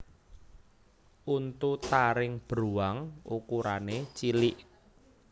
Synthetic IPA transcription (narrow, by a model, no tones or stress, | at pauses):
ʔunt̪ut̪aɾɪŋb̥ɾuaŋṵkuɾanet͡ʃilɪʔ